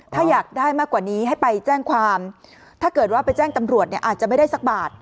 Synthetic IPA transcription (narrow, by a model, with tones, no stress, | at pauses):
t̪ʰaː˥˩jaː˨˩k̚daː˥˩jmaː˥˩kːwaː˨˩niː˦˥ɦa˥˩jpa˧jt͡ɕɛː˥˩ŋkʰwaː˧m | t̪ʰaː˥˩kɤː˨˩t̪̚waː˥˩pa˧jt͡ɕɛː˥˩ŋt̪a˧mɾu˨˩ət̪̚ni˥˩ɐʔaː˨˩t̪̚t͡ɕa˨˩ma˥˩jda˥˩jsa˦k̚baː˨˩t̪̚